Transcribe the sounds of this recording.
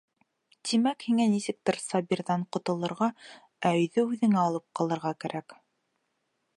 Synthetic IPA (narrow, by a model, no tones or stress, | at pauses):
t̪imækhiŋænisɘ̆k̚t̪ɘɾsɑbʲiɾðɑɴqŏt̪ɤ̆lˠɤ̆ɾʁɑ | æɵ̆jðɵʉðɘ̆ŋæɑlˠɤp̚qɑlˠɤ̆ɾʁɑkæɾʔæk